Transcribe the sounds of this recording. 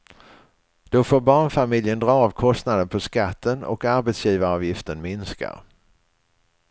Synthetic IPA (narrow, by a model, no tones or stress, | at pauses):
d̪̥ɔfoːɾbɑːɳfamɪljənd̪ɾɑːvkʰɔst̪nad̪ənpʰɔskat̪ʰːənɔ̰kaɾbɛt̪sjiːvaɑːvjɪft̪ənmɪnska̰